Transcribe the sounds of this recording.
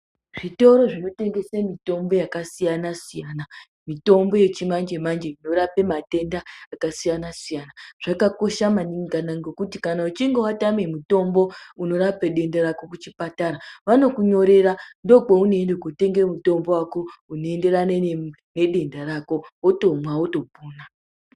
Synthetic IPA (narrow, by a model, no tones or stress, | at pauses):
ʐ̥ito̞ɾo̞ʐino̞te̞ŋɡe̞semito̞mbo̞jakasijanasijaːna | mito̞mbo̞je̞t͡ʃimand͡ʒemand͡ʒe̞ino̞ɾapemate̞ndaːkasijanasijanaʐ̥akako̞ʃamaniŋɡanaŋɡekutikanaut͡ʃiŋɡowatame̞muto̞mbo̞uno̞ɾapeɗe̞ndaɾako̞kut͡ʃipataɾaʋano̞kuɲo̞ɾe̞ɾando̞k͡pounoendekote̞ŋɡemuto̞mbo̞wako̞unoe̞nde̞ɾane | ne̞ɗe̞ndaɾako̞woto̞mwaoto̞puːna